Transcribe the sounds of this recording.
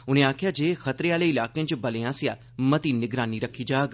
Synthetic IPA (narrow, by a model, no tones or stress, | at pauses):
ʊnẽːaːkʰjaːd͡ʒeːxɐt̪ɾeaːleɪlaːkeãt͡ʃbɐleãːsɪjaː | mɐt̪iːnɪɡɾaːniɾəkʰːiːd͡ʒaːɡ